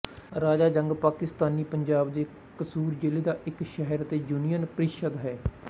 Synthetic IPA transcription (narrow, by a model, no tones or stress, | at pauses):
ɾaːd͡ʒaːd͡ʒəŋɡpaːkɪst̪aːniːpəɲd͡ʒaːbd̪eː | kəsuːɾd͡ʒɪleːd̪aːʔɪkʃɛɦəɾt̪eːd͡ʒuːnijənpəɾɪkʃəd̪ɦɛː